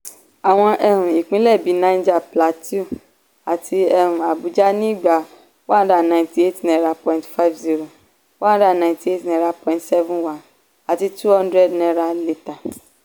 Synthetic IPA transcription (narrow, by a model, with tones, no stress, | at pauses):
a˨w̃ɔ̃˧ʔɛ˧ɾ̃ũ˨i˨k͡pĩ˦lɛ˦˨bi˨˦nã˧˦ĩ˦d͡ʒa˦˨pla˨˦ti˦u˦˨ | a˨tʰi˧ɛ˧ɾũ˨a˨bu˨˦d͡ʒa˦nĩ˦i˦˨ɡ͡ba˨ | wa˦da˨nã˧˨ĩ˨ti˧˦e˦ti˨nɛ̃˧˦ɾa˧pɔ̃˧ĩ˨tfa˦fzi˦ɾo˨ | wã˦da˦˨nã˧˨˦ti˦e˦ti˨nɛ̃˧ɾa˧pɔ̃˧ĩ˨tsɛ˦vũ˦wa˨˦ | a˨ti˧tu˦hɔ̃˦ndɾɛ˦˨dnɛ̃˧ɾa˧li˦ta˨